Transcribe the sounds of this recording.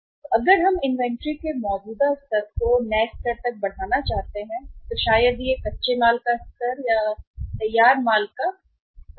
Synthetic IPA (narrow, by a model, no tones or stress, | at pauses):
ɐɡəɾɦɐmɪ̃nʋɛ̃ɳʈɾikemɔːd͡ʒuːd̪ast̪ɐɾkonɛːst̪əɾt̪ɐk̚bɐɽ̤aːnat͡ʃaːɦt̪eɦɛ̃ːt̪oʃaːjəd̪jekɐtːʃemaːlkast̪ɐɾjat̪ɐjːaːɾmaːlka